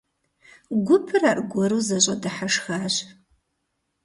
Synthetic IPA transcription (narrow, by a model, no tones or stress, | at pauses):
ɡʷʊpʰɨraːrɡʷɔɾuːzɐɕʼɐdɨħaʂxaːɕ